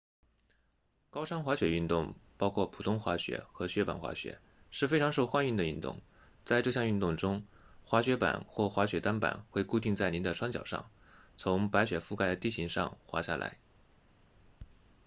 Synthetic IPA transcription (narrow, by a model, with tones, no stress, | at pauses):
kɑ˥ʊʂɑ˥ŋxwa˧˥ɕɥɛ˨˩y˥˧nt̪ʊ˥˩ŋpɑ˥ʊkʰwɔ˥˩pʰu˨˩ʊ˥ŋxwa˧˥ɕɥɛ̰˧˥xɤ˧˥ɕɥɛ˧˥pa̰˨˩nxwa̰˧˥ɕɥɛ̰˧˥ | ʂɻ̩˥˩fe˥ɪʈ͡ʂʰɑ˧˥ŋʂo˥˧ʊxwa˥˧ny˥˩nd̪ə˩y˥˩nt̪ʊ̰˥˩ŋ | t͡sa˥˧ɪʈ͡ʂɤ˥˧ɕjɑ˥˧ŋy˥˧nt̪ʊ˥˩ŋʈ͡ʂʊ˥ŋxwa˧˥ɕɥɛ˧˥pa̰˨˩nxwɔ˥˩xwa˧˥ɕɥɛ˧˥t̪a˥npa̰˨˩˦nxwe˥˧ɪku˥˧t̪i˥˧ŋt͡sa˥˩ɪni˧˥nd̪ə˧ʈ͡ʂʰwa˥ŋt͡ɕjɑ˨˩ʊʂɑ̰˥˩ŋ | t͡sʰʊ˧˥ŋpa˧˥ɪɕɥɛ˨˩fu˥˩ka˥ɪd̪ə˩t̪i˥˩ɕi˧˥ŋʂɑ̰˥˧ŋxwa̰˧˥ɕja˥˩lʔa̰˧˥ɪ